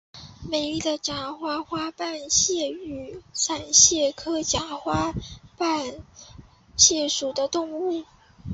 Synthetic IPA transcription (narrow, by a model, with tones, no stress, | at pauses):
me˨˩ɪli˥˩d̪ə˩ʈ͡ʂa˧˥xwa˥xwa˥pa˥˧nɕjɛ˥˩y˨˩sa˨˩nɕjɛ˥˩kʰɤ˥t͡ɕja˧˥˦xwa˥pa˥˩˧n | ɕjɛ˥˩ʂu˨˩d̪ə˦t̪ʊ˥˧ŋu˥˩